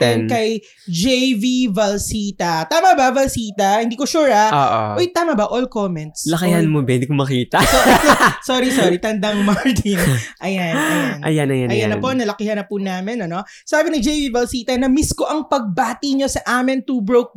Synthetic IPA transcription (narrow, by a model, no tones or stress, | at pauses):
ɛnnkɐj | d͡ʒɛjvivɐlsiːt̪ɐt̪aːmɐbɐvɐlsiːt̪ɐhɪnd̪iːkoʃuːɾɐoʔo̰ʔojt̪aːmɐbɐʔolkomɛnt̪̚slɐkihɐnmobɪ̃nd̪iːkomɐkiːt̪ɐsosoːɾisoːɾit̪ɐnd̪ɐŋmaɹt̪inʔɐjannʔɐ̰janɐjaɐjɐnːɐpoʔnɐlɐkɪhɐnɐpunaːmɪnɐno̞ | saːbɪnɪd͡ʒɛjvivɐlsiːt̪ɐnɐmiskoʔɐŋpɐɡ̚baːt̪iɲo̞sɐʔaːmɪnt̪uːbɹowk̚